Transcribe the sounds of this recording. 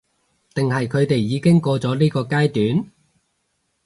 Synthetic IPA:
t̪ɪ˨ŋɦɐ˨jkʰɵ˨˧ɥt̪e˨jːiː˨˧kɪ˥ŋkɔː˧t͡sɔː˨˥liː˥kɔː˧kaː˥jt̪yː˨˥n

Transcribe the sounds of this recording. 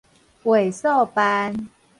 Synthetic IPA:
we˨˩so˥˨pa˦n

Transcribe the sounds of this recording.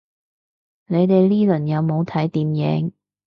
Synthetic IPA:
ne˨˧jt̪e˨jliː˥lɵ˨˩njɐ˨˧wmo˨˧wt̪ʰɐ˨˥jt̪iː˨mjɛ˨˥ŋ

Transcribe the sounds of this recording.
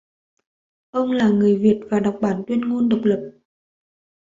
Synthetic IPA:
ʔə˧wŋ͡mlaː˨˩ŋɨ˨˩əjvi˨˩ət̚vaː˨˩ɗa˨˩wk͡p̚ɓaː˧˩nt̪wi˧ənŋu˧nɗə˨˩wk͡p̚lə˨˩p̚

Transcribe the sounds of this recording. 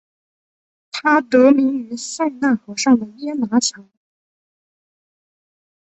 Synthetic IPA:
t̪ʰa˥t̪ɤ˧˥mi˧˥ŋy˧˥sa˥˧ɪna˥˩nxɤ˧˥ʂɑ˥˩ŋd̪ə˩jɛ˥na˧˥t͡ɕʰjɑ˧˥ŋ

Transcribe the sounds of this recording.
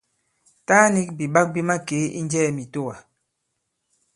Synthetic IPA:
taː˦ni˦k̚bi˨ɓa˦k̚bi˦ma˦ke˨˦ḭ˦n˦d͡ʒɛː˦˨mi˨to˦˨wa˨

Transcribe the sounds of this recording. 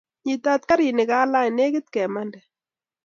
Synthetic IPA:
ɲi˨t̪a˦t̪̚ka˦ɾi˨nɪ˨ka˦la˦jne˦kɪ˦t̪̚kɛ˨ma˦ndɛ˨

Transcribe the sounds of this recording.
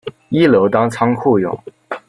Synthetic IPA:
i˥˩ljo˧˥ʊt̪ɑ˥ŋt͡sʰɑ˥ŋkʰu˥˩jʊ̰˨˩˦ŋ

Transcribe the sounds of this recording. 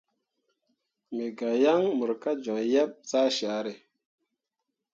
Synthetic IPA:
me˨ɡa˨ja˦ŋmə˨ɾka˦d͡ʒɔ˨jɛ˦p̚t͡sa˦ʃa˨˦ɾe˨

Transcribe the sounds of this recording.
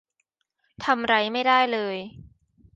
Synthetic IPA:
t̪ʰa˧mɾa˧jma˥˩jdaː˥˩jlɤː˧j

